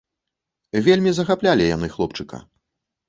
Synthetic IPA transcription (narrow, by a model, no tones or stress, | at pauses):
vʲelʲmʲizɐxaplʲalʲija̰nɨxlˠɔpt͡ʂɨka̰